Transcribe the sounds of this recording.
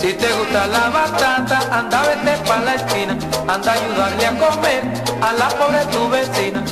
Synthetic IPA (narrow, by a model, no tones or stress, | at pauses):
sit̪eɣust̪alaβast̪ant̪aʔand̪aβet̪epalaeskina | and̪ajuðaɾljakomeɾ | alapoβɾet̪uβesina